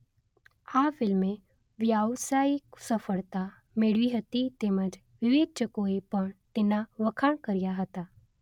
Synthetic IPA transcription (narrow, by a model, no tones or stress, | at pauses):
aːfɪlmẽ | ʋjaːʋsaːiksəfəɭt̪a | mɪɽʋiɦɐt̪it̪eːməd͡ʒ | ʋɪʋeːt͡ʃəkoepəɳ̃t̪ɪnaʋəkʰaɳkəɾijaɦət̪aː